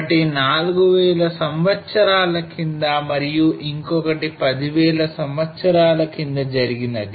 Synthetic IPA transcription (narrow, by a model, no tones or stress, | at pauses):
ʈinaːluɡuʋɛːɭɐsɐmʋɐt̪sɐɾaːlɐkind̪ɐmɐɾijuʔiŋkɔkɐʈipɐd̪iʋɛːɭɐsɐmʋɐt̪sɐɾaːlɐkind̪ɐd͡ʒɐɾiɡinɐd̪i